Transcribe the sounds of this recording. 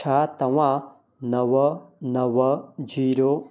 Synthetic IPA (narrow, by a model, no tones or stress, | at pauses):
at̪ɐwa | nɐwɐnɐwɐd͡ʒiɾo